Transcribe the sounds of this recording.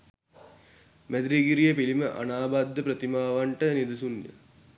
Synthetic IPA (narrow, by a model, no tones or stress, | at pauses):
mæd̪ɾiɡiɾijepiliməʔa̰naːbad̪ːəpɾət̪imaːʋaɳʈənid̪usunjə̰